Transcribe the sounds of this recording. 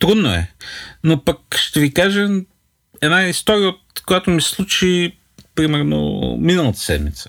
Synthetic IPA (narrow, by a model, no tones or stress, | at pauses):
t̪ɾud̪noɛ̰nopɐk̚ʃt̪ɛvikaʒə | ɛnaist̪ɔɾijəot̪kojat̪omisslˠut͡ʃi | pɾimɛɾno̰minəlˠət̪ə̥sɛ̰d̪mḭt̪sə̥